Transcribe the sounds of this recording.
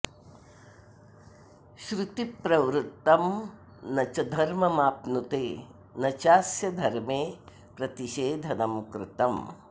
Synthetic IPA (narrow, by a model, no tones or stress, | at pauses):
ʃɾut̪ipɾɐwɾut̪ːɐm | nɐt͡ʃɐd̪ʱɐɾmɐmaːpnut̪eː | nɐt͡ʃaːsjɐd̪ʱɐɾmeː | pɾɐt̪iʃeːd̪ʱɐnɐmkɾɪt̪ɐm